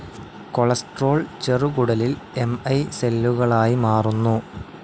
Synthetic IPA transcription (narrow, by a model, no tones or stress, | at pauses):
ko̞ɭɐsʈro̞ːɭt͡ɕerukuɽɐlile̞mɐjse̞lːuɣɐɭaːjimaːrunːu